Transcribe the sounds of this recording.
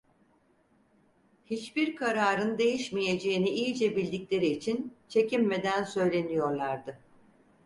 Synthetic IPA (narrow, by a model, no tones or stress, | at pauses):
hit͡ʃbiɾkʰaɾaːɾɯnd̪e̞jiʃmije̞d͡ʒe̞jiniijid͡ʒɛbilʲd̪iclʲe̞ɾiːt͡ʃʰint͡ʃʰe̞cimme̞d̪ænsø̞jlʲe̞nijo̞ɾlˠaɾd̪ɯ